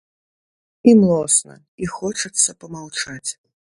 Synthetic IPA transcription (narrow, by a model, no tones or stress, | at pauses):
imlˠɔsnɐ̰ | ixɔt͡ʂɐt̪sːɐpɐmawt͡ʂat͡sʲ